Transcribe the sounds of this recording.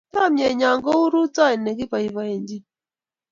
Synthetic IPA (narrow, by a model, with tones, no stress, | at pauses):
ta˦˨mjɛ˨ɲa˨ŋɡɔ˦u˦ɾu˦t͡sa˦e˨ne˨ɡi˦pa˨i˨va˨e˨ɲd͡ʒi˦